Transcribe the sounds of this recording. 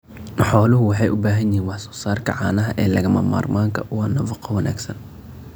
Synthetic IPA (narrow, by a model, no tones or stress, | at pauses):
ħɔːlʊɦʊwɑħɑjʔʊbaːɦɐnjɪɦiːnwɑħsɔ̥ːsaːrkʰɐ̰ʕaːnɐɦɐʔɛːlɐɣɐmɐ̰ma̰ːrmaːŋkʰɐʔʊwɑnɐfɑqʰɑwɐna̰ːɡsɐn